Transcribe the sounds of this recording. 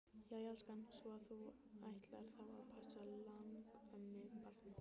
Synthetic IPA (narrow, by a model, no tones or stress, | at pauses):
jajalskansɔaθu | ajht̪laɾ̥θavaɾpʰasalaŋkɛnːɪpar